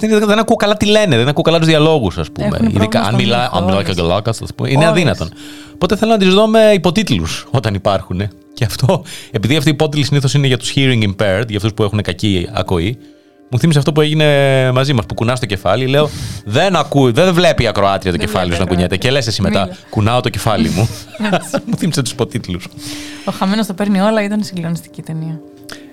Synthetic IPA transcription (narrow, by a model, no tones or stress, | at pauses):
nððenɐkuokɐlɐt̪ile̞neðenɐkukɐlɐt̪uzðiɐlo̞ɣusɐspṵmḛḭðikɐɐ̰nmilɐʔɐ̰nmilɐocɡlɐkɐɐspṵmeineɐðinɐt̪o̞n | po̞t̪eθelonɐt̪izðo̞me̞ipo̞t̪it̪lusot̪ɐnipɐɾxune̞ | ce̞ɐft̪o̞epiðiɐft̪ipo̞t̪ilisiniθo̞sineʝɐt̪u̥sçiɾiŋɡimpeɾt̪ʝɐft̪uspue̞xune̞kɐciɐ̰ko̞i | muθimiseɐft̪o̞p̬ue̞ʝine̞mɐzimɐspukunɐzit̪oce̞fɐlile̞o̞ðenɐkuðe̞nvle̞piɐkɾo̞ɐt̪ɾiɐt̪oce̞fɐlioznɐkuɲet̪ece̞le̞sesimet̪ɐkunɐo̞t̪oce̞fɐlḭmu | muθimiset̪u̥si̥po̞t̪it̪lusoxɐmenost̪opeɾnio̞lɐit̪ɐnsiɡlionist̪i̥cit̪eniɐ